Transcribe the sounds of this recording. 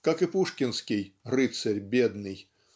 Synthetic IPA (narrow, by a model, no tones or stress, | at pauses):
kakɨpuʂkʲɪnskʲɪjrɨt̪sɐrʲbʲed̪nɨj